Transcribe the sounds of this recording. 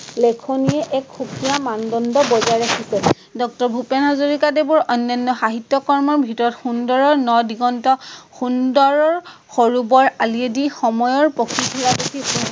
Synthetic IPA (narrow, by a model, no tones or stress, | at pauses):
lɛkʰoniɛʔɛkxukijamandɔndɔbɔzaɹɛkʰisɛ | dɔk̚tɔɹbʱupɛnɦazoɹikadebʊɹʔɔnːɔnːɔxaɦitːjɔkɔɹmɔɹbʱitɔɹɔtxundɔɹɔɹnɔdiɡɔntɔxundɔɹɔɹxoɹubɔɹaliedixɔmɔjɔɹpokʰitʰilapokʰipu